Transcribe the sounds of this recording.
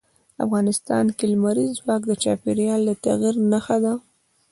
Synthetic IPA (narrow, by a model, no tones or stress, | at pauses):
a̰fɣɑnɪst̪ɑ̰nkelmaɾizwɑkd̪ət͡ʃɑ̰peɾjɑlːat̪aɣiɾnaxad̪a